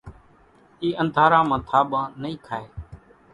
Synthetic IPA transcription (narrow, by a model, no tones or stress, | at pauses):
iːʔənd̪ʱaːɾãːmãːt̪ʰaːɓãːnəĩːkʰaːeː